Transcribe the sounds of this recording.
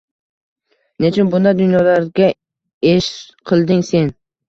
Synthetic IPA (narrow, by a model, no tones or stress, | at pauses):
net͡ʃʰɪnbʊnd̪ad̪ʊnjɒlaɾɡʲa | eʃqʰɨlˠd̪ɪŋse̞n